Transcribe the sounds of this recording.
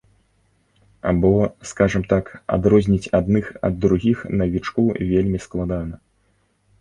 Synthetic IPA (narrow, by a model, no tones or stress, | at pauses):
a̰bɔskaʐɐmt̪aka̰d̪ɾɔzʲnʲit͡sʲad̪nɨxɐ̰d̪ːɾuɣʲixnɐvʲit͡ʂkuvʲelʲmʲisklˠad̪anɐ